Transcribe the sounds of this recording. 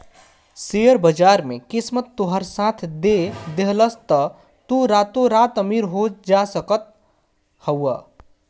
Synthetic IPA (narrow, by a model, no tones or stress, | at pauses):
seəɾbəd͡ʒaɾmekɪsmət̪ːoɦəɾsat̪ʰd̪ed̪eɦləst̪ə | t̪uɾat̪oɾat̪əmiɾɦod͡ʒasəkət̪̚ | həwə